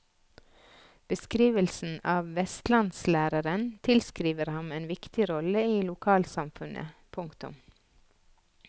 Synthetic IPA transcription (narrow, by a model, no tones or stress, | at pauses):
b̥əskɾiːʋəlsn̩ɑːʋʋɛst̪lɑnslæːɾəɾənt̪ʰɪlskɾiːʋəɾhɑmeːnʋɪkt̪ɪɾɔləiːlʊkʰɑːlsɑmfʉnʔə̰pʰʊŋkt̪ʉ̰m